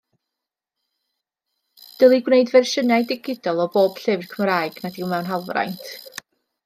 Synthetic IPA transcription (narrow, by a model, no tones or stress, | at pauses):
d̥əlˠiɡwneɨdvɛrʃənajdɪɡɪdɔlˠɔboːb̥ɬɪvrkʰəmɾaːjɡ̥nadiwmɛwnɦalˠvra̰jntʰ